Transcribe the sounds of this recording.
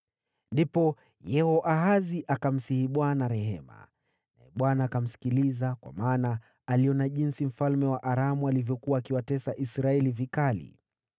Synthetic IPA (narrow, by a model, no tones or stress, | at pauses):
ndipɔ | jɛhɔʔaɦaziʔakam̩sihiɓwanaɾɛɦɛ̰ma̰ | na̰ɛ̰ɓwanaːkam̩si̥kilizakwa̰maːna | aliɔnaʄinsim̩falmɛwaʔaɾamualivjɔkuwaːkiwatɛsaʔisɾaɛlivikalḭ